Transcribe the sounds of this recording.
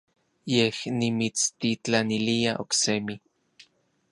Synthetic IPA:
jehnimit͡st̪it͡ɬaniliaʔo̰ksemi

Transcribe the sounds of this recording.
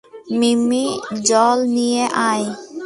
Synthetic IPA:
mimid͡ʑɔlnijeʔaj

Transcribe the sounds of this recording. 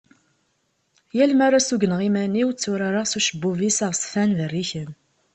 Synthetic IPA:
jælmaɾasuɡənʁimæniwt͡sːuɾaɾaʁsuʃəbːuvisaʁsfænðərːiçən

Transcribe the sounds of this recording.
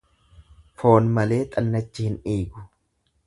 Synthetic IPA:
fo̞ːnmɐle̞ːt̪ʼɐnːɐt͡ʃːɪhɪniːɡʊ̥

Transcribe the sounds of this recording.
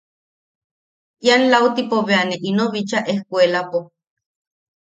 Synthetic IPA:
janlawt̪ipoβeaneʔinoβit͡ʃaʔehkʷelapo

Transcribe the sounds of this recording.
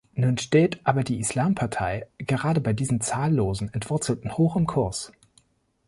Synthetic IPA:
nuːnʃteːtʔaːbɐdiːɪslaːmpʰaɐtʰaɪɡ̥əʁaːdəbaɪdiːzn̩t͡saːlːoːzn̩ɛntv̥ʊɐt͡sl̩tn̩hoːxɪmkʰʊɐs

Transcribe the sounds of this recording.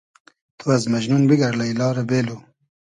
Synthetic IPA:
t̪ʰuwazmaʒnunbiɡaɾlailɑːɾabeːlo

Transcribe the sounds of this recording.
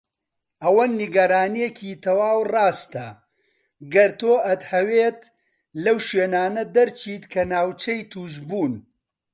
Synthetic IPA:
ʔɐwɐnːiɡɐɾaːnijekʰiːt̪ʰɐwaːwrɑːst̪ɐ | ɡɐɾt̪oːʔɐt̪hɐweːt̪ | lɐwʃweːnaːnɐd̪ɐɾt͡ʃʰiːt̪kʰɐnaːwt͡ʃɐjt̪ʰuːʒbuːn

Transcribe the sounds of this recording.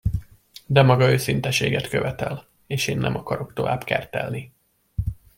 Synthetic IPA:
d̪ɛmɒɡɒøːsint̪ɛʃeːɡɛt̪kø̞vɛt̪ɛl | eːʃeːnːɛ̰mʔɒkɒɾo̞kt̪o̞vaːbkɛ̰rt̪ɛ̰lni

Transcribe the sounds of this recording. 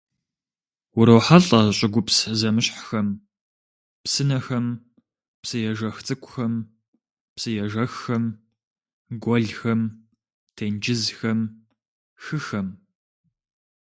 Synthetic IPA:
wʊɾowħaɬʼɐɕʼɪɡʷʊpszɐmɨɕħxɐm | psɨnɐxɐm | psɨjɛʒɐxt͡sʼɨkʷʼʊxɐm | psɨjɛʒɐxːɐm | ɡʷɔɮxɐm | tʰeːnd͡ʒɪzxɐm | xɨxɐm

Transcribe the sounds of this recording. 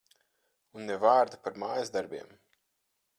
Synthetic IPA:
unːɛvaːɾd̪apaɾmaːjazd̪aɾbʲiɛm

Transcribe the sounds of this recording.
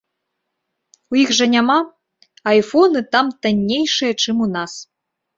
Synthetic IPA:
ujixʐɐnʲama | ajfɔnɨt̪amt̪anʲːejʂɨjɐt͡ʂɨmunas

